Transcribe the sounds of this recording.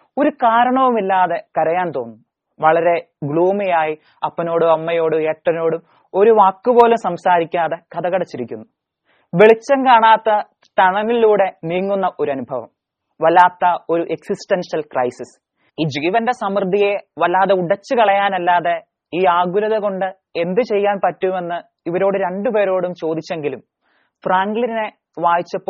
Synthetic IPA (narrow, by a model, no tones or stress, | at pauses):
o̞ɾukaːɾɐɳɐʋumilːaːðe̞kɐɾɐjaːnt̪o̞ːnːu | ʋɐɭɐɾe̞ | ɡɭuːmijaːji | ɐpːɐno̞ːɽɨɐmːɐjo̞ːɽueːʈːɐno̞ːɽum | o̞ɾuʋaːkːɨpo̞ːlumsɐmsaːɾikʲːaːðe̞kɐðɐkɐɽɐt͡ɕːiɾikʲːunːu | ʋeɭit͡ɕːɐnkaːɳaːt̪ːɐ | t̪ɐɳɐŋːiiluːɽe̞niːŋːunːɐʔo̞ɾuɐnubʱɐʋɐ̰m | ʋɐlaːt̪ːɐo̞ɾuʔe̞ksisʈɐnʂɐlkrɐjsis | iːd͡ʑiːʋɐnde̞sɐmrd̪ʱije̞ʋɐlaːðeuɽɐt͡ɕːɨkɐɭɐjaːnɐlːaːðe̞ | iːaːɡulɐðeko̞ɳɖɨ | e̞nd̪ɨt͡ɕe̞jːaːnpɐtːume̞nːɨ | iʋɐɾo̞ːɽɨɾe̞ɳɖupe̞ːɾo̞ːɽumt͡ɕo̞ːd̪it͡ɕːe̞ŋɡilum | fraːŋɡlinine̞ | ʋaːjit͡ɕːɐpːo